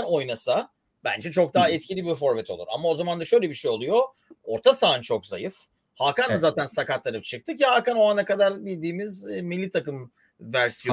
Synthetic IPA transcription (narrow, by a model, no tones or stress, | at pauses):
no̞jnasa | bæ̰nd͡ʒɛt͡ʃʰo̞k̚d̪aɦɛt̪̚cʰilʲibifo̞ɾvɛt̪ʰolˠṵɾa̰mao̞zamand̪aʃø̞jlʲɛbiʃejo̞lˠujo̞ | o̞ɾt̪ʰasaːɯnt͡ʃʰo̞kza̰jɯf | hakand̪azaːt̪ʰænsakat̪lˠaɾɯp̚t͡ʃʰɯk̚t̪ʰɯcihaːkano̞anakad̪aɾbilʲd̪iːmizmilʲːit̪ʰakɯm | væɾsijo